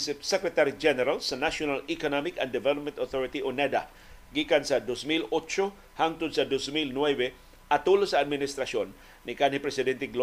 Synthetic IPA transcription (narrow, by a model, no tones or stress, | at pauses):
sɛkɾɛt̪aɾid͡ʒɛnɛɾalsɐnaʃjonalikonamɪkɐ̰nd̪ɛvɛlop̚mɛ̃nt̪oθɔɹɪt̪iʔonɛd̪a̰ | ɡikansɐd̪osmilot͡ʃo | haŋt̪ʊd̪̚sɐd̪osmilnwɛbɛ | ʔɐt̪ulosɐːd̪̚mɪnɪst̪ɾɐsonː | ɪkanipɾɛsɪd̪ɛnt̪ɛɡlo